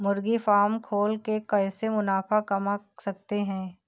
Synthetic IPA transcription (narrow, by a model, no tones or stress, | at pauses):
mʊɾɡifaːɾmkʰoːlkekɐɦsemʊnaːfakɐmasɐk̚t̪eɦɛ̃ː